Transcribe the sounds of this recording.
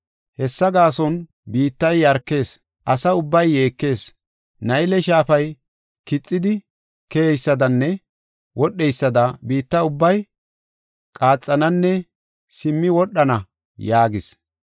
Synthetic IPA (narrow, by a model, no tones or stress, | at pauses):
hɛsːɐɡaːsɔn | biːt̪ːɐjɐɾkːe̞ːs | ʔɐsɐʊbːɐjːe̞ːkːe̞ːs | nɐjlɛʃaːfɐj | kɪt͡sʼːɪd̪ɪ | kɛɛjsːɐd̪ɐnːɛ | wɔɗːɛjsːɐd̪ɐbiːt̪ːɐʊbːɐj | kʼaːt͡sʼːɐnɐnːɛ | sɪmːɪwɔɗːɐnɐ | jaːɡɪs